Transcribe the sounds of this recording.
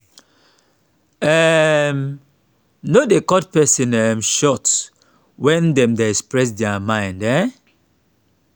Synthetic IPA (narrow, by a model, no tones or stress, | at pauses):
ɛm | nodekɔd̚pɛsĩnɛmʃɔt | wɛ̃ndɛ̃mdeɛkspɹɛs̬dɛamãɪ̃ndɛ